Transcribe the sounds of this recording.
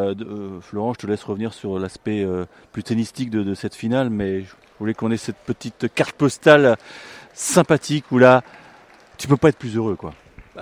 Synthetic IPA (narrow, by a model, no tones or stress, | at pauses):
flɔʁɑ̃ʒət̪əlɛsʁəvniʁsyʁlaspɛø | plyt̪enist̪ik̚d̪əd̪əsɛt̪finalmɛʒə | vulekɔ̃nɛsɛt̪pət̪it̪kaʁt̪̚pɔst̪al | sɛ̃pat̪ʰikʰula | t̪ypøpaɛt̪χplyzøʁøkwa̰